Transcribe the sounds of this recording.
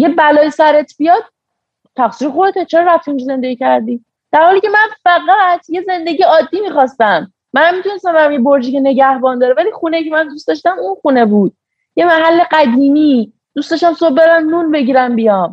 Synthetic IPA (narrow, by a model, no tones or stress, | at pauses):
jebælɒːjisæɾet̪ʰbijɒd̪̥̚ | t̪ʰæxsiːɾexoet̪et͡ʃʰeɾɾæft̪ʰund͡ʒize̞nd̪eɟicʰæɾd̪iː | d̪̥æɾhɒːliːcʰe̞mænfæɡæt̪ʰje̞ze̞nd̪eɟijeɒːd̪ːiːmixɒst̪æmː | ænhæmːit̪ʰunest̪æmbæɾæmjeboɾd͡ʒiːcene̞ɟæhbɒːnd̪ɒːɾevæliːxunejcʰemænd̪usd̪ɒʃt̪æmunxune̞buːd̪̥̚ | je̞mæɦælːe̞ɢæd̪iːmiː | d̪̥ustd̪ɒːʃt̪æmsob̚beɾæmnunbe̞ɟiːɾæmbijɒm